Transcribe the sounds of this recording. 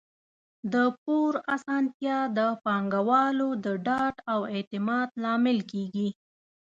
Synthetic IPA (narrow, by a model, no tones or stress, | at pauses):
d̪əp̚oɾasɑnt̪jɑd̪əpɑŋɡawɑlod̪əɖɑʈawet̪ɪmɑd̪lɑmɪlkeɡi